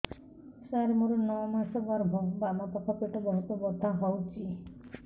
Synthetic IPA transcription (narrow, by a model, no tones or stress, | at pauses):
saɾemuɾɔnɔwmasɔbaɾbʱɔɡbamapɔkʰɔpeʈɔbɔɦɔt̪ɔbɔd̪ʱaɦɔwt͡ʃʰi